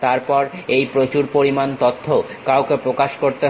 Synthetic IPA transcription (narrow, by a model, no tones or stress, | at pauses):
t̪aɾpɔɾejpɾot͡ɕuɾpoɾimant̪ot̪ʰːokaokepɾokaʃkoɾt̪e